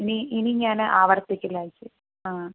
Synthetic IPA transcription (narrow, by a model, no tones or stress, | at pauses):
iniʔiniɲaːnʔaːʋɐɾt̪ːikʲːilaːjit͡ɕːɨ | aː